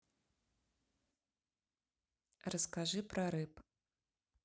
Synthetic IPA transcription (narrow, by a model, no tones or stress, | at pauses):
rɐskaʐɨpɾʔɐɾɨp